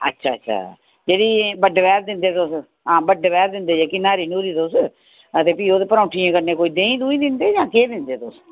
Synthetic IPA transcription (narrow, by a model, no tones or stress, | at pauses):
ə̰tːʃʰaːətːʃʰa̰ː | d͡ʒeːɽiːbəɖʋɛːɾd̪ɪnd̪eːt̪ʊs | ɦãːbəɖʋɛːɾd̪ɪnd̪eːd͡ʒeːkɪnːaːɾiːnuːɾiːt̪ʊs | ət̪eːpiːoːd̪eːpəɾãːʈʰijãːkəɾneːkoːiːd̪ẽːĩːd̪uːĩːd̪ɪnd̪eːd͡ʒãːkeːd̪ɪnd̪eːt̪ʊs